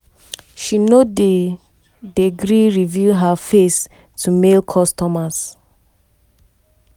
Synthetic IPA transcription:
ʃinode | deɡɹiɹivjuɦafes | tʰumelkʰɔstɔmas

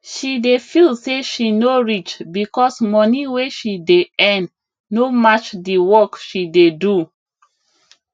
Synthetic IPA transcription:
ʃidefilˠseʃinoɹit͡ʃbikɔsmɔniweʃideɛ̃n | nomat͡ʃdiwɔkʃidedu

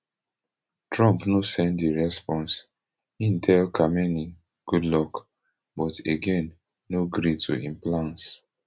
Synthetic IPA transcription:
tɹɔ̃mpnosɛ̃ndiɹɛspɔ̃ns | ĩntʰɛlkʰamɛni | ɡ̥udlɔk | bɔteɡẽnː | oɡɾitʰṵĩmplãns

